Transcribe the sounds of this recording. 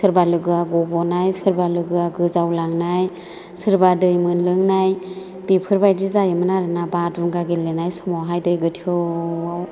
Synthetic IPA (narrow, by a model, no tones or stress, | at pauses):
sʰɯɾbalɯɡɯaɡɔbɔnajsɯɾbalɯɡɯaɡɯzawlaŋnaj | sʰɯɾbadɯjmɯnlɯŋnaj | b̥ipʰɯɾbajdizajɯmɯnaɾɯnabadunɡaɡelːɯnajsɔmawɦajdɯjɡɯtʰiɯaw